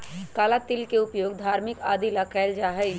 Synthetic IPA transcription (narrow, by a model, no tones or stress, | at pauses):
kaːlat̪ɪlkeʊpjoːɡd̪ʱaːɾmɪkaːd̪ilakʰɛːld͡ʒaːɦɛ